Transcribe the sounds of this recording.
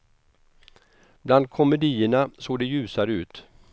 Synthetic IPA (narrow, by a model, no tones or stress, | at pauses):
b̥land̪̚kʰɔmɛd̪iːəɳasoːd̪ɛjʉ̟ːsaɾʉ̟ːt̪